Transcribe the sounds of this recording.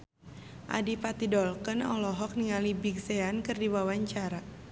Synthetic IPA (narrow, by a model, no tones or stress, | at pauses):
ʔa̰dipat̪idɔlkənɔ̰lɔɦɔk̚niŋalibiɡseankɨrdiwawaɲt͡ʃaɾa